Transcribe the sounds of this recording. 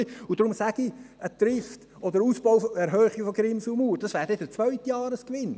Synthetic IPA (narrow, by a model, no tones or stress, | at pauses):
iʊd̥ɾʊmsæɡ̥iət̪rɪft | ʔɔd̪əɾusb̥ɔʊfɔɛɾɦœːχi̥fɔɡɾɪmsumuːɾd̥ɑsvæːʁɾd̥ɛd̥ət͡svœʏtjɑːɾəskʋɪn